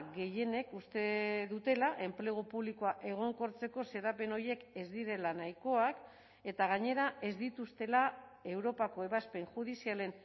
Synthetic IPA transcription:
ɣe̞je̞ne̞kust̪e̞ðut̪e̞laʔe̞mple̞ɣ̞opuβlikoaʔe̞ɣ̞o̞ŋko̞ɾt͡se̞ko̞se̞ɾape̞no̞ɾje̞ke̞zd̪iɾe̞lanajko̞ak | e̞t̪aɣ̞aɲe̞ɾaʔe̞zd̪it̪ust̪e̞lae̞wɾo̞pako̞e̞βaspe̞ŋxuð̞isiale̞n

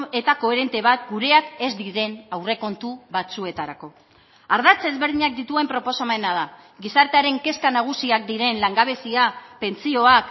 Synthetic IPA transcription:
e̞t̪ako̞e̞ɾe̞nt̪e̞βat̪̚ɡuɾe̞ake̞zd̪iɾe̞nawre̞ko̞nt̪uβat͡sue̞t̪aɾako̞ | aɾð̞at͡se̞zβe̞ɾð̞iɲak̚d̪it̪ue̞mpɾo̞po̞somenaða | ɡisaɾt̪eaɾe̞ŋke̞skanaɣ̞usiak̚d̪iɾe̞nlaŋɡaβe̞siape̞nt͡sio̞ak

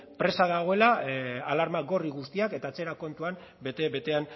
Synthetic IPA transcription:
pɾe̞saðaɣ̞o̞e̞laalaɾmaɡo̞riɣust̪iake̞t̪at͡se̞ɾako̞nt̪uam | bet̪ebe̞t̪e̞an

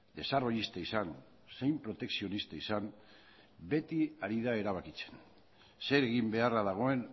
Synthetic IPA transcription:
d̪e̞saro̞jist̪aisan | se̞jmpɾo̞t̪e̞ksio̞nist̪aisam | be̞t̪iaɾiðae̞ɾaβ̞akit͡se̞̥n | se̞ɾe̞ɣimbe̞araðaɣ̞o̞e̞n

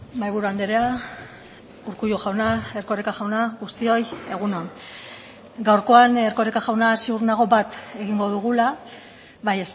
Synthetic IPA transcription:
bajβuɾuand̪eɾea | uɾkujuʝawnae̞ɾko̞ɾekaxawnaɣust̪io̞je̞ɣ̞unon | ɡawɾko̞aneɾko̞ɾekaʝawnaːsiuɾnaɣ̞o̞βat̪e̞ɣiŋɡo̞ðuɣ̞ula | βajes

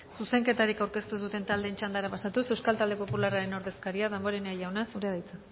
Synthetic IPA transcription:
suse̞ŋke̞t̪aɾikawɾke̞st̪uðut̪e̞nt̪ald̪eːnt͡ʃand̪aɾapasat̪use̞wskalt̪ald̪e̞po̞pularaɾe̞no̞ɾðe̞skaɾiaðembo̞ɾe̞neajawnasuɾeaðajt͡sa

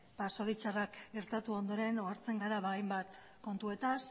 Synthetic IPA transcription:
paso̞ɾit͡ʃarakɡe̞ɾt̪at̪uo̞nd̪o̞ɾe̞noaɾt͡se̞ŋɡaɾaβajmbat̪ | ko̞nt̪ue̞t̪as

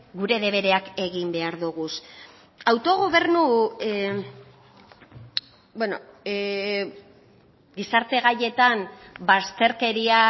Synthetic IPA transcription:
ɡuɾe̞ðe̞β̞e̞ɾe̞ake̞ɣimbe̞aɾðuɣus | awt̪o̞ɣ̞oβ̞e̞ɾnu | bweno | ɡisaɾt̪e̞ɣaʎe̞t̪ambast̪e̞ɾke̞ɾia

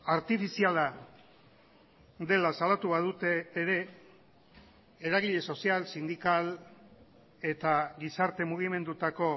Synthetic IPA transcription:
aɾt̪ifisiala | d̪e̞lasalat̪uβaðut̪e̞ːɾe̞ | eɾaɣiʎe̞so̞sialsind̪ikal | e̞t̪aɣisaɾt̪e̞muɣ̞ime̞nd̪ut̪ako̞

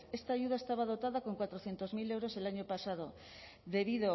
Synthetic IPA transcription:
e̞st̪aːʝuðae̞st̪aβ̞að̞o̞t̪aðako̞ŋkwat̪ɾoθje̞nt̪o̞zmile̞wɾo̞se̞laɲo̞pasað̞o̞ | ðe̞βiðo

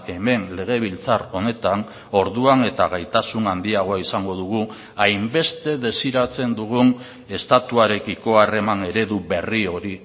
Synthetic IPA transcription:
e̞me̞nle̞ɣ̞e̞β̞ilt͡saro̞ne̞t̪an | o̞ɾðuane̞t̪aɣajt̪asunand̪iaɣo̞aisaŋɡo̞ðuɣ̞u | ajmbe̞st̪e̞ðe̞siɾat͡se̞nd̪uɣ̞un | e̞st̪at̪uaɾe̞kiko̞are̞mane̞ɾe̞ðuβe̞rio̞ɾi

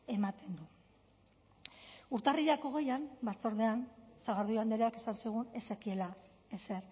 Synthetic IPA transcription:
e̞mat̪e̞nd̪u | uɾt̪ariʎako̞ɣe̞jambat͡so̞ɾðe̞ansaɣaɾðuand̪e̞ɾeakesansiɣ̞une̞sekie̞la | ese̞ɾ

